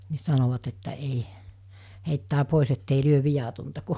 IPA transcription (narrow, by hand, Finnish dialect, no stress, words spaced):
ni sɑnoʋɑt etːæ ei heitːæː poˑis etːei lyøʋ̆ ʋijɑtontɑ ku